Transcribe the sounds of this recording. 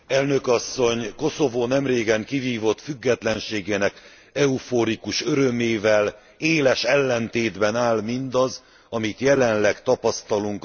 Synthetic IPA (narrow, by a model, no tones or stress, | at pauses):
ɛlnø̞kɒsːo̞ɲko̞so̞voːnɛmreːɡɛŋkiviːvo̞t̪fyɡːɛt̪lɛnʃeːɡeːnɛk | ɛufoɾikuʃøɾømeːvɛl | eːlɛʃɛlːɛnt̪eːd̪bɛnaːlmind̪ɒz | ɒmit̪jɛlɛnlɛkt̪ɒpɒst̪ɒluŋk